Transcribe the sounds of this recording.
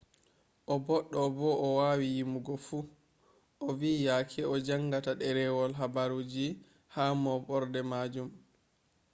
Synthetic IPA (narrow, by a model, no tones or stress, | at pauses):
ʔɔbɔɗːɔbɔʔɔwawijimuɡɔfuː | ʔɔvijakʰɛɔd͡ʒaŋɡataɗɛɾɛwɔlɦabaɾuːd͡ʒi | hamɔbɔɾdɛmad͡ʒum